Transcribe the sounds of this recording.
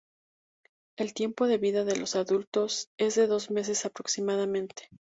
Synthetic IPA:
e̞lt̪je̞mpo̞ðe̞βiðaðe̞lo̞saðult̪o̞se̞zðe̞ðo̞zme̞s̬e̞sapɾo̞ksimaðamẽ̞nt̪e̥

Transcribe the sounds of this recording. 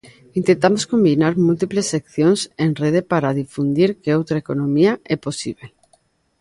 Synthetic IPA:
int̪ent̪amoskombinaɾmult̪iplesːekθjoŋsenreð̞epaɾaðifund̪iɾkeowt̪ɾaekonõmiaɛposiβ̞e

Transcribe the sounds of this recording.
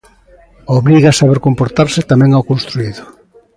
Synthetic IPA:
oβɾiɣasaβeɾkompoɾt̪aɾsɪt̪amɛ̃ŋawkonst̪ɾuiðʊ

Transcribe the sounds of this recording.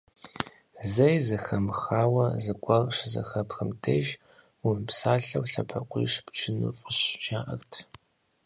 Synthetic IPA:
zɐjzɨxɐmxaːwɐzɨɡʷʼɐrʂzɐ̰xɐpxɨmtʰeːʒ | ʊrpsaːɬɐwɬɐ̰pʰɐqʷʼḭːʂpt͡ʃʰɨnɨ̰fʼʊɕʒaːʔɐ̰rtʰ

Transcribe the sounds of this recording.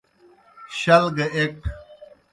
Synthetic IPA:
ɕɐlɡɐekk̚

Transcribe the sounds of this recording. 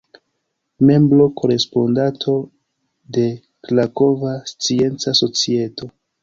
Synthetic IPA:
me̞mbɾo̞kʰo̞ɾe̞spondatʰo̞ | de̞ | klako̞vast͡sie̞nt͡saso̞t͡sie̞tʰo̞

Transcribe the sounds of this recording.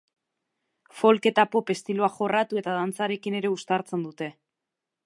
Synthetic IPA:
fo̞lke̞t̪apo̞pe̞st̪iloaχo̞rat̪ue̞t̪að̞ant͡saɾe̞kine̞ɾe̞ust̪aɾt͡se̞nd̪ut̪e̞

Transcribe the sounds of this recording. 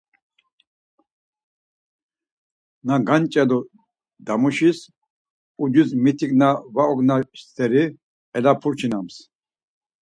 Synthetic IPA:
naɡant͡ʃʼɛlɔ | d̪amuʃis | ud͡ʒuzmit̪ʰiknavaɔɡnaʃt̪ʰɛɾi | ɛlapʰuɾt͡ʃʰinams

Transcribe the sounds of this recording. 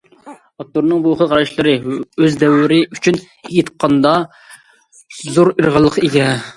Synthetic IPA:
ɑp̚t̪oɾnɨŋbuχəʁʰɑɾɑʃlˠɨɾɨøzd̪ɛwːɪɾɪyt͡ʃʰyn | jit̪qʰːɑnd̪ɑ | zoɾəɾʁəlˠːəqeɡʲɛ

